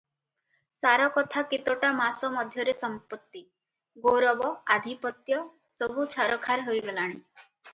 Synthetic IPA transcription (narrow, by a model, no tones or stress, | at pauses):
saɾɔkɔt̪ʰakit̪oʈamasɔmɔd̪ʱjɔɾesɔmpɔt̪ːi | ɡoɾɔbɔad̪ʱipɔt̪jɔ | sɔbʱut͡ʃʰaɾɔkʰaɾeɦojɡɔlaɽ̃i